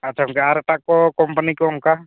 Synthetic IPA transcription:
atːt͡ʃʰaɦmkeaɾʈakːɔkɔmpənikɔumka

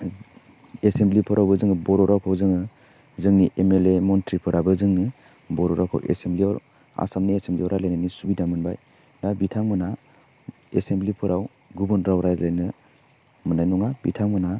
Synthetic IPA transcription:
esemblipʰɯɾʔawbɯzɯŋɯbɔɾɔɾawkʰawzɯŋɯ | zɯŋniʔemelemɔntɾipʰɯɾabɯzɯŋni | bɔɾɔɾawkʰa̰wʔḛsembliawɾ | a̰samniesembliawɾajlajnɯnisubidamɯnbaj | nabitʰaŋmɯna | esemblipʰɯɾʔaw | ɡubɔnɾawɾajlajnɯ | mɯnajnɔŋabḭtʰaŋmɯna

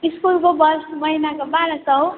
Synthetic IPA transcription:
iskulkobʌsmʌɦinakobaɾʌsʌw

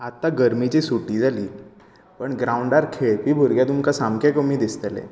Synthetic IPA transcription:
at̪ːaɡəɾmit͡ɕisuʈid͡zaliː | pəɳɡɾaːuɳɖaɾkʰeɭbibʱuɾɡjad̪umkasamkʰakəmĩd̪ɪst̪əlḛ

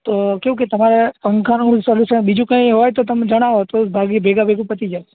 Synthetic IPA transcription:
t̪oːkjũːket̪ɐmaɾepɐ̃ŋkʰanũisɔlɪsəɓid͡ʒũkãĩɦoːjt̪ot̪ɐmd͡ʒɐɽ̃aʋot̪obʱaːɡibʱeːɡabʱeɡũpət̪id͡ʒa

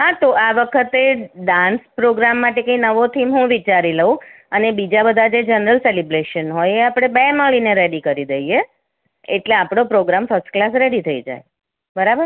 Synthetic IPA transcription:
ɦat̪oʔaʋəkʰət̪eɖãnspɾoɡɾamːaʈekə̃ĩnəʋot̪ʰimɦũʋit͡ʃaɾiləũ | ənebid͡ʒabəd̪ʱad͡ʒed͡ʒənɾəlselibɾeʃənɦojeapɽ̃ebeməɭineɾeɽikəɾid̪əie | ḛʈleapɽ̃opɾoɡɾamfəɾsʈklasɾeɽit̪ʰəid͡ʒa̰e | bəɾabəɾ

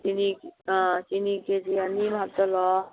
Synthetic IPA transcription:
t̪inĩ | t͡ʃiniked͡ʒiənimʱabt̪ɔlɔ

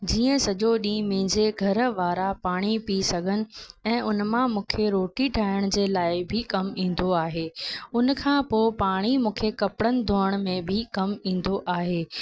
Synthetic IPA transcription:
d͡ʑiːə̃sɐʄoɗĩːmĩːɲd͡ʑeɡʱɐɾʋaːɾapaːɽ̃ipiːsɐɡʱənɪ̆ɛ̃ːʔʊnmãmũːkʰeɾoːʈiʈʰaːəɽ̃d͡ʑeːlaːɪbʱɪkɐmĩːn̆d̪oaːɦeːʊnkʰãːpoːpaːɽ̃imũːkʰekɐpɽənɪ̆d̪ʱoːəɽ̃mẽbʱɪkɐmĩːn̆d̪oʔaːɦeː

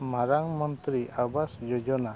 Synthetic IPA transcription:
maɾaŋmɔnt̪ɾiabasd͡ʒɔd͡ʒɔna

